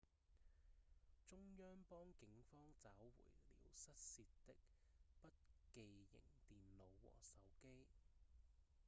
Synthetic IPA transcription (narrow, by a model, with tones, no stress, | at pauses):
t͡sʊ˥ŋjœː˥ŋpɔː˥ŋkɪ˨˥ŋfɔː˥ŋt͡saː˨˥wwṵː˨˩jlḭː˨˩wsɐ˥t̚siː˧tt̪ɪ˥k̚pɐ˥t̚ke˧jjɪ̰˨˩ŋt̪iː˨nlo˨˧wwɔ̰ː˨˩sɐ˨˥wke˥j